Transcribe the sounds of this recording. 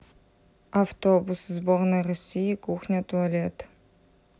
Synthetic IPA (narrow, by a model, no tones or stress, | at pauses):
aftʰobuszboːrnɐrɔsʲijikʼuːxnʲɐtʰʼuɐlʲetʰ